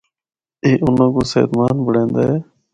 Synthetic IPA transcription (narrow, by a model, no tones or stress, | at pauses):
eːʔʊnãːkoːsḛːd̪maːnbəɽẽːnd̪aːɦeː